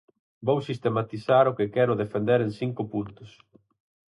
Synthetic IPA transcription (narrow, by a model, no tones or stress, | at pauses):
bowsist̪emat̪isaɾʊkɪkɛɾʊðefend̪eɾeŋsiŋkʊpunt̪ʊs